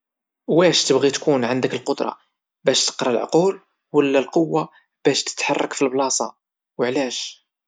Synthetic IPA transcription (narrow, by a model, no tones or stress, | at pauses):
wæʃt̪əbɣit̪kunʕand̪əkəlqod̪ɾˤɑ̰ | bæʃt̪ə̥qɾˤɑlʕʊ̰qul | wəlːælqowːa | b̥æʃt̪ə̥t̪ħɑrˤːɑkfilblɑsˤɑ | wəʕlæʃ